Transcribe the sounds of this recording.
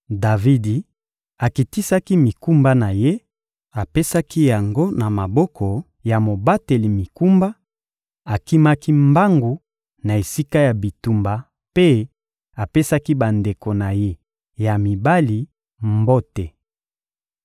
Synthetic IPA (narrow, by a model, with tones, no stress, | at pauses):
da˨vi˦di˨ | a˨ki˨ti˦sa˦ki˦mi˨ku˦mba˦na˨je˦ | a˨pe˦sa˦ki˦ja˨ŋɡo˦na˨ma˨bɔ˦kʰɔ˨ | ja˨mo˨ba˦te˨li˨mi˨ku˦mba˦ | a˨ki˦ma˦ki˦mba˦ŋɡu˨ | na˨e˨si˦ka˦ja˨bi˨tu˦mba˨ | pe˦ | a˨pe˦sa˦ki˦ba˨nde˨ko˨na˨je˦ | ja˨mi˨ba˦li˨ | mbo˦tɛ˨